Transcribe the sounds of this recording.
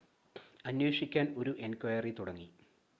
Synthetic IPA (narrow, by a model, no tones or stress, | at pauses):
ɐnwoːʂikʲːaːno̞ɾuʔe̞nkwɐjɐrit̪uɽɐŋːi